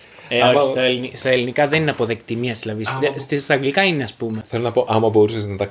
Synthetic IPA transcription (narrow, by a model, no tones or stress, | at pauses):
eomɐst̪ɐlinist̪ɐelinikɐðenineɐpoðekt̪imiɐsðilɐðisst̪ist̪ɐŋɡlikɐineɐspume̞θelonɐpo̞ʔɐmɐbo̞ɾuseznɐt̪ɐ